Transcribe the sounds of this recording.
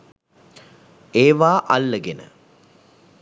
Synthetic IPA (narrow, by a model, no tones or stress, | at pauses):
eːʋaːʔalːəɡenə̰